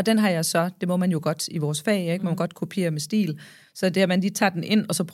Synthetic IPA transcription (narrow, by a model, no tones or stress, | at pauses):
ɒ̽d̥enɦɑ̈jɑ̈ɪsɒ̽d̥e̝mɔ̽mænjo̝ɡ̥ɒ̽d̥iʋɒːsfɛ̰ːeɡ̥mɔmænɡ̥ɒ̽d̥kʰupʰe̝̰ːɐmesd̥ḭːl | sɒ̽d̥e̝æmænliːt͡sʰɑ̰̈ːd̥enʔe̝n̰ɒ̽sɒ̽pʰ